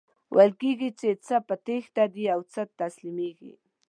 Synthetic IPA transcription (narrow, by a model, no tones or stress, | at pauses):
wʔalkikɪt͡ʃet͡sapat̪ext̪ad̪ijawt͡sat̪aslɪmɪkɪ̰